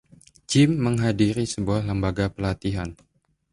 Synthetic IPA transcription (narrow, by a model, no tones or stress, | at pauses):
d͡ʒɪmːəŋɦadiɾisəbuahləmbaɡapəlat̪iɦan